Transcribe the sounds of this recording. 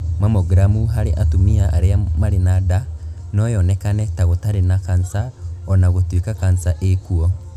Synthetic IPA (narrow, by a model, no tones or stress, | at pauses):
mamoɡɾamuɦaɾeʔatumiaʔaɾeamaɾenada | nɔjɔnɛkanɛtaɣotaɾenakansaɔnaɣotwikakansaʔekuɔ